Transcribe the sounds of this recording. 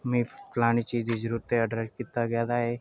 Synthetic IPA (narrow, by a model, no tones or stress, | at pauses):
mĩplañit͡ʃiːd̪id͡ʒɾuɾt̪eəɖɾeskit̪aɡjad̪aɦe